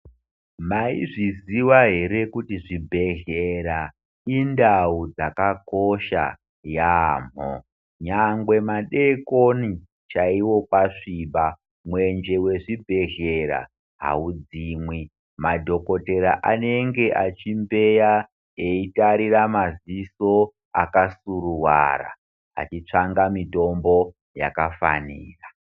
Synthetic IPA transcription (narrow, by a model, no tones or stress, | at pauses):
maḭʐiziwaɦe̞ɾe̞kutiʐibʱe̞ɮeɾa | indaud͡zakako̞ʃa̰ | jaːm̤o̰ | ɲaŋɡwe̞maɗe̞koni | t͡ʃaiwo̞kwaʂiːba | mwe̞nd͡ʒe̞we̞ʐibʱe̞ɮe̞ɾa̰ | ɦa̰ud͡ziːmwi | madʱo̞ko̞te̞ɾaʔane̞ŋɡe̞ʔat͡ʃimbe̞ja | eitaɾiramaziso̞ | a̰kasuruwa̰ra̰ | a̰t͡ʃit͡ʂaŋɡamito̞mbo̞ | ja̰kafa̰niːra